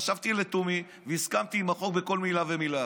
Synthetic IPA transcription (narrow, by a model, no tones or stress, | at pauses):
aʃavt̪ilet̪umi | veiskamt̪iːmaχo̞k̚be̞ko̞lmilavemila